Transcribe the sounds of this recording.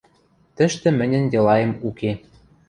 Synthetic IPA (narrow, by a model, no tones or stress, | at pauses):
t̪ə̆ʃt̪ɘ̆mɘ̆nʲɘ̆njɤ̆lɑjɤ̆muke